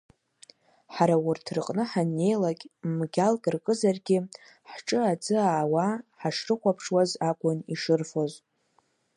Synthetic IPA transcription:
ħaɾawʊrtʰrɨqʼnɨħanːe̞jlakʲʼmɡʲalkʼɨrkʼɨzarɡʲɪ | ħʈ͡ʂʼɨad͡zɨaːwaħaʂrɨχʷapʰʂwazakʷʼʊniʂɨrfoz

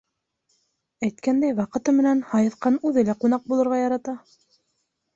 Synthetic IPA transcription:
æjt̪kænd̪æjwɑqɤ̆t̪ɤmɘ̆nænhɑjɤ̆θqɑnʉðɘlæqunɑq̚bulˠɤ̆ɾʁɑjɑɾɑt̪ɑ

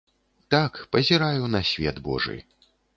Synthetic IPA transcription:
t̪akpɐzʲɛɾajunɐsʲvʲɛd̪bɔ̰ʐɨ̰j

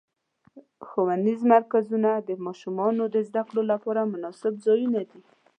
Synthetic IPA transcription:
xowand̪izmaɾkazunad̪əmɑʃumɑnod̪əzd̪akɽolapɑɾamʊnɑsɪbzɑjunad̪i

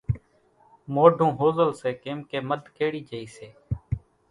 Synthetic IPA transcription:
moːɖʱõːɦoːzəlseːkeːmkeːməd̪ʱkeːɽiːd͡ʒəiːseː

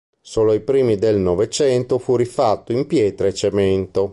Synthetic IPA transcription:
soːloipɾiːmid̪elnovet͡ʃɛnt̪ofurifat̪ːoimpjɛːt̪ɾeet͡ʃːement̪o

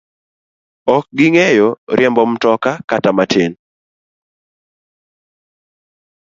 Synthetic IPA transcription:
ɔk̚ɡɪŋejɔɾɪɛmbɔmtɔkakatamatʰen

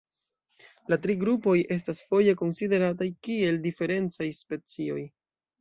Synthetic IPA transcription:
latɾiɡɾupo̞je̞s̬tasfo̞je̞ko̞nside̞ɾatajkie̞ldife̞ɾe̞nt͡sajspe̞t͡sio̞j

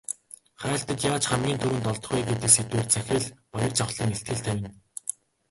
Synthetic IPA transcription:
χæːɬt̪ə̆t̪jaːt͡ɕχæmɡʲiːnt̪ʰɵɾɘ̆nt̪ɔɮt̪ɞ̆χujɡet̪ɘ̆kset̪weːrt͡sʰæxʲɪ̆ɮpɔjɞ̆rt͡sʰaχɮiːŋeɬt̪̚ɡɘ̆ɮt̪ʰæwʲɪ̆n

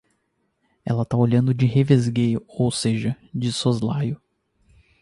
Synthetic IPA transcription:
ɛ̰lɐt̪aoʎɐ̃nd̪ʊd͡ʒɪhevezɡejʊowseʒɐ | d͡ʒɪsozlajʊ

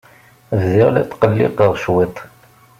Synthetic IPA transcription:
ððɪʁlæ̰t̪qəlːɪ̰qəʁʃwit̪ˤ

